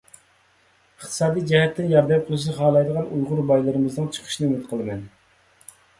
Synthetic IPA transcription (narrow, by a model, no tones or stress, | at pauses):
əχt̪ʰɨ̥sɑːd̪ijd͡ʒɛɦɛt̪ʰːɪnjɑɾd̪ɛp̚qʰəlˠɨʃ̬nɨχɑːlˠɑjd̪əʁɑnujʁʊɾbɑjlˠɨɾɨmɨznɨŋt͡ʃʰə̥qʰə̥ʃnɨymɪd̪qʰəlˠɨmɛn